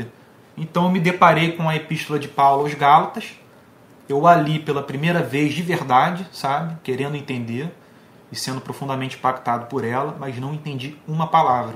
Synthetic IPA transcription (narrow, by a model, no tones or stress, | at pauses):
ẽt̪ɐ̃w̃ew̃mɪd̪epaɾejkõw̃ɐepiʃt̪olɐd͡ʒɪpawlʊawzɡalɐt̪ɐʃ | ewalipelɐpɾimejɾɐvezd͡ʒɪveɾd̪ad͡ʒɪsabɪkeɾẽnd̪ʊẽt̪ẽnd̪eɾ | ɪsẽnd̪ʊpɾofũnd̪ɐmẽnt͡ʃɪĩpakt̪ad̪ʊpʊɾɛlɐmɐznɐ̃w̃ẽnt̪ẽnd͡ʒiũmɐpalavɾɐ